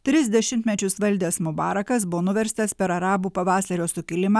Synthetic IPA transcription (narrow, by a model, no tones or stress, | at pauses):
t̪ʲɾʲɪzʲd̪ʲɛʃʲɪmʲt̪ʲmʲɛt͡ʃʲʊsʋɐlʲd̪ʲeːsmʊbɑːɾɐkɐs̬bʊʋoːnʊʋʲɛɾʲst̪ɐspʲɛɾɐɾɑːbuːpɐʋɑːsɐɾʲoːsʊkʲɪlʲɪmɑː